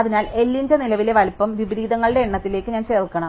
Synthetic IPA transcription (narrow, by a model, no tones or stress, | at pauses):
ɐðinaːle̞lːind͡ʑɐnilɐʋile̞ʋɐlpːɐmʋibɾiːd̪ɐŋːɐɭɨɽe̞ːɳːɐt̪ːile̞ːkːɨɲaːnt͡ɕeːrkːɐɳɐ